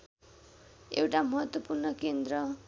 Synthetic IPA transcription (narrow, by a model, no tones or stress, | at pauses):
ewʈamʌɦʌt̪wʌpurnʌkend̪ɾʌ